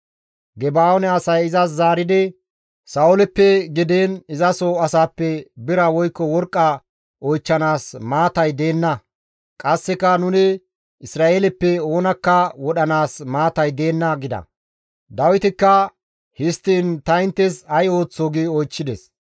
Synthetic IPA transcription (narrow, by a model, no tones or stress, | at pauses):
ɡɛbaːɔnɛɐsɐjɪzɐs̬zaːɾɪd̪ɪ | sɐʊlɛpːɛɡɪd̪eːnɪzɐsoɐsaːpːɛbɪɾɐwɔjkːɔwɔɾkʼːɐ | ʔɔjt͡ʃːɐnaːsmaːt̪ɐjd̪eːnːɐ | kʼɐsːɛkːɐnʊnɪ | ɪsɾaːʔeːlɛpːɛo̞ːnɐkːɐwɔɗɐnaːsmaːt̪ɐjd̪e̞ːnːɐɡɪd̪ɐ̰ | d̪ɐwɪt̪ɪkːɐ | hɪst̪ːiːnt̪ɐɪnt̪ːɛsɐjo̞ːt͡sːoːɡɪɔjt͡ʃːɪd̪ɛs